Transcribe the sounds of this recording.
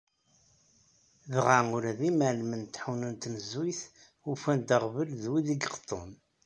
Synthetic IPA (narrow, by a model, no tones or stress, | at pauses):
ðʁaʊɾæðimælmənt̪ːħuwnənt̪nəzwiθ | ufænd̪əʁvəlðwiðiɡəqt̪ˤːo̰n